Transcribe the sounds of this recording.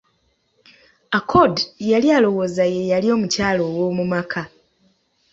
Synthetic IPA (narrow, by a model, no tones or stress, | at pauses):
akʰodjalialo̞wo̞ːzaje̞jalio̞ːmucaːlo̞ːwo̞ːmumakʰa